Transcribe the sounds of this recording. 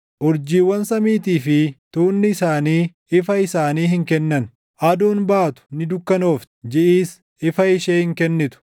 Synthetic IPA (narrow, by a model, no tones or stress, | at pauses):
ʔʊɾd͡ʒiːwːɐnsɐmiːt̪iːfɪt̪uːnːɪːsaːniː | ɪfɐɪsaːniːhɪŋkɛnːɐn | ʔɐd̪uːnbaːt̪ʊ̥nɪd̪ʊkːɐno̞ːft̪d͡ʒɪʔiːs | ɪfɐɪʃeːhɪŋkɛnːɪt̪ʊ̥